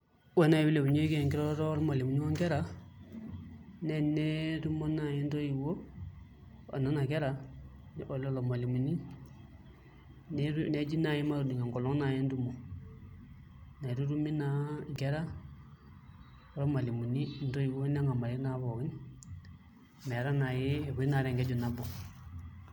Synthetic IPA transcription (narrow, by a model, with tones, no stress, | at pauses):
wɛ˨˦na˨i˨bi˦le˨bu˨ɲo˦i˦kɛ˨ŋki˦ɾɔ˦tɔ˦ɾma˨li˨mu˨ni˦wa˦ŋkɛ˦ɾa˨˦ | nɛ˦nɛ˦tu˦mo˦na˨jɛ˦n˦to˦ji˨ko˦ | a̰˨na˦na˨kɛ˦ɾa˨ | nɛ˦ʔo˨lɔ˦lo˨ma˨li˨mu˨ni˦ | n˦une˨˦d͡ʒi˦na˨ji˦ma˦ɾu˨di˨ŋa˨ŋɡɔ˨lɔ˦ŋ˦na˨jɛ˦n˦du˦mo˨ | ne˨ɾu˦ɾu˦mi˦na˦ɡɛ˦ɾa˦ | ɔ˦ɾɔ˦ma˨li˨mu˨ni˦n̩˦to˦i˨wo˦nɛ˦ŋa˨ma˨ɾi˦na˨˦βɔ˨ɡi˦n | mɛ˨ɾa˦na˨ji˦˨βu˨˦i˦na˨ɾɛ˨ŋɡɛ˦d͡ʒu˨na˦bɔ˨